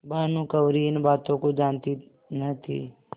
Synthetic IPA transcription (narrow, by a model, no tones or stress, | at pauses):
baːnũkɐwɾiɪnbaːt̪õkod͡ʒaːnt̪i | nət̪ʰḭː